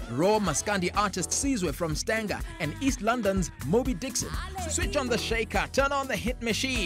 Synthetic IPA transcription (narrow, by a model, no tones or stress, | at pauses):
ɹɔməskãndiʔaɹtɪstsizwɛfɹɔ̃mstæ̃ŋɡə̰˞ɨ̃nistˡlʌ̃ndə̃nzmobidɪksɨ̰̃nswɪt͡ʃɔ̃n̩ðəʃeɪkʰətʰɜ̃˞nə̃nðəɦɪt̚mɨʃĩn